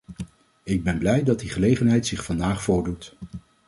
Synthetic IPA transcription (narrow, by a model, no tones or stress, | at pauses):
ɪɡ̚bɛnblɛjdɑtdiχəlejχənɦɛjtsɪχfɑndaːχfʊːɹdut